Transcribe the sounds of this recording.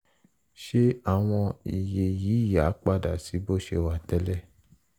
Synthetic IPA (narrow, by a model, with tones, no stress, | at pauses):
ʃe˦a˦˨w̃ɔ̃˧i˨je˧jiː˨˦˨ja˨˦k͡pa˦˨da̰˨si˨˦bo˦˨ʃe˧wa˧tɛ˦lɛ˦˨